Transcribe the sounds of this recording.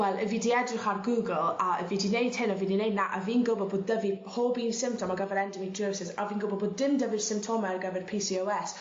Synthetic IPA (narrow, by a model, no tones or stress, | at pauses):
wɛlˠə̰viːdiɛdrɪχarɡuːɡəlˠaə̰viːdinejd̥hɪnɔviːndinejdnaʔa̰viːnɡʊbɔd̚boːddəvihobiːnsɪmp̚tʰɔmaɡəvɛɾɛndəmidʰəːsɪsa̰viːnɡʊbɔboːddɪndəvir̥sɪmp̚tʰɔmɛrɡəvɛrpʰisiowɛs